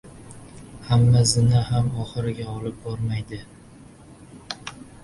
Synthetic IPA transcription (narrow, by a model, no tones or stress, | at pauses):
hamːazɪnahamɒχɨɾɪɡʲaɒlɪp̚bɒɾmajd̪ɪ